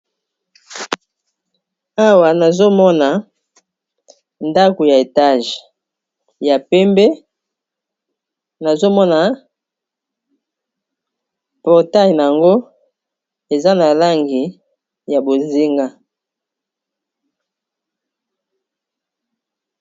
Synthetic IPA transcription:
a˦wa˨na˨zo˦mɔ˦na˨ | nda˦ko˨ja˨e˨ta˦˨ʒ | ja˨pɛ˦mbɛ˦ | na˨zo˦mɔ˦na˨ | pɔ˨ʁta˦jna˨ja˨ŋɡo˦ | e˨za˦na˨la˦ŋɡi˨ | ja˨bo˨zi˦ŋɡa˦

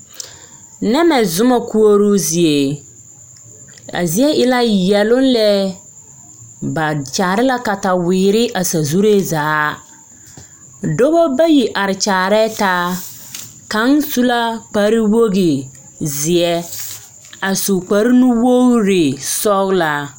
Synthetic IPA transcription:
nɛ˦mɛ˨zʊ˦ma˨ku˦o˦ɾu˦zɪ˨e˨ | a̰˨zi˨˦ɛ˦ʔɪ˨la˦jɛ˨lʊ˦n˦lɛ˦ | ba˨t͡ʃaː˨ɾɪ˦la˦ka˨ta˨wɪː˨ɾɪ˦ʔa˨sa˨zu˦ɾe˦zaː˨˦ | do˦ɣo˦ba˦ji˨ʔa˨ɾɪ˨t͡ʃaː˨ɾɛ˦taː˦ | ka˦nsu˦la˦k͡pa˨˦ɾi˦wo˦ɣi˨ | zɪ˨ɛ˦ | a˨su˨k͡pa˨˦ɾi˦nu˦wo˦ɾe˨sɔ˦ɣla˨

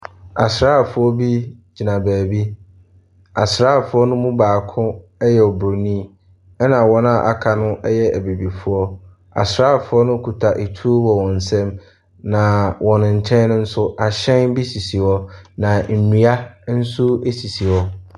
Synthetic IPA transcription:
a˨sɾaː˦˨fʊ˦ɔ˦bi˦d͡ʑi˨nã˨bæː˨bi˦ | a˨sɾaː˦˨fʊ˦ɔ˦nʊ̃˦mũ˦baː˨kʰʊ̃˦ɛ˦jɛ˨ɔ˨bʊ˨nĩ˦˨ | ɛ˦nã˨wɔ̃˦nã˨ʔa̰˨kʰa˨nʊ̃˦ʔɛ˦jɛ˦æ˨be˨bi˨fʊ˦ɔ˦ | a̰˨sɾaː˦˨fʊ˦ɔ˦nʊ̃˦kʰu˨tʰa˨ʔe˨tʰu˦o˦wɔ˨wɔ̃˨n̩˨sɛ̃˦m | nã˨wʔɔ̃˨nʊ̃˨ɲ̩˨t͡ɕʰɛ̃˦n˦nʊ̃˦n̩˦sʊ˦ʔa˨ɕɛ̃˦nbi˦si˨si˨ɔ˦nã˨m̩˨nĩ˨a˦n̩˦su˦e˦si˨si˨wɔ˦

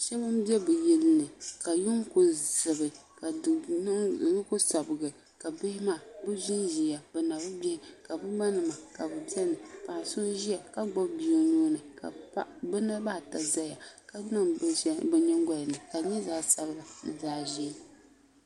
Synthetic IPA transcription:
ʃɛ˦bɨ˦m˦bɛ˦bɨ˨jɛ˦lɨ˦nɨ˨ka˨jʊ˦ŋkʊ˦zɨ˨bɨ˨ka˨˦˨ | kʊ˦sa˨bɨ˨ɡɨ˨ | ka˨bɪ˦hɪ˦ma˦˨bɨ˦zi˦nʒi˨a˨bɨ˨na˨bɨ˦bɛ˦hɪ˦ka˨bɨ˦ɡ͡ba˦nɨ˨ma˨ka˨bɨ˨bi˦ɛ˦nɨ˨pa˨so˦ʒi˦ja˨ka˦ɡ͡bɔ˦bbi˨o˦nuː˦nɨ˨ka̰˨˦bɨ˦na˦baː˦˨ta˨za˦ja˨ka˨˦nɨ˦bɛ˨ɲɛ˦ŋ˦ɡɔ˦lɨ˨nɨ˨ka˨ɲɛ˦zaː˦sa˨bɨ˦la˨n̩˨zaː˦ʒi˦

